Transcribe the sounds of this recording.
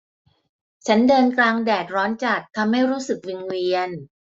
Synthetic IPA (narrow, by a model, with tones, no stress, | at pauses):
t͡ɕʰa˦˥ndɤː˧nklaː˧ŋdɛː˨˩t̪̚ɾɔː˦˥nt͡ɕa˨˩t̚t̪ʰːa˧mːa˥˩jɾuː˦˥sɯ˨˩k̚wi˧nwi˧ən